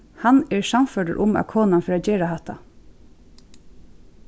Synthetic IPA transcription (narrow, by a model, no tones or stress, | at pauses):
hanɛːɹsamfœːʈə̰ɹʔʊma̰kʰoːnanfɔɾaːt͡ɕeːɹahɑt̪ːa̰